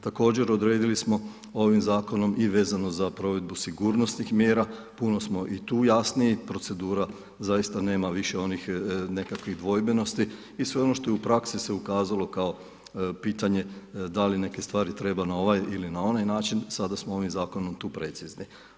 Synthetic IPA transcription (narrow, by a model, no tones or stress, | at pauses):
t̪ako̞ːd͡ʑe̞ɾo̞d̪ɾe̞ːd̪ilismo̞ | o̞ʋimzaːko̞no̞mʔiʋe̞ːzano̞zapɾo̞ʋe̞d̪̚busiɡuːɾno̞st̪nixmje̞ːɾapuno̞smo̞ʔit̪uːjasnipɾo̞t̪se̞d̪uːɾa | zajist̪ane̞ːmaʋiʃeo̞nixne̞kakʋiɣd̪ʋo̞jbe̞no̞st̪i | isʋe̞o̞no̞ʃt̪o̞jupɾaksise̞ukaːzalo̞kao̞ | piːt̪aɲe̞d̪aline̞kest̪ʋaːɾit̪ɾe̞banao̞ʋajilinao̞najnaːt͡ʃinsad̪asmoo̞ʋimzaːko̞no̞mt̪uːpɾe̞t̪sizni